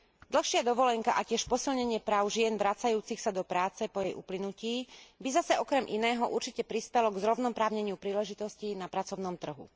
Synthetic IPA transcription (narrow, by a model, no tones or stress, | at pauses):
d̪l̩xʃɪad̪ɔʋɔlɛŋkaʔacɪɛʃpɔsilɲɛɲɪɛpɾaːʊʒɪɛnʋɾat͡sajuːt͡sixsad̪ɔpɾaːt͡sɛpɔjɛjʔuplinuciːbizasɛɔkɾɛmʔḭnɛːɦɔʔuɾt͡ʃicɛpɾispɛlɔɡzɾɔʋnɔmpɾaːʊɲɛɲɪupɾiːlɛʒit̪ɔscinapɾat͡sɔʊnɔmt̪r̩ɦṵ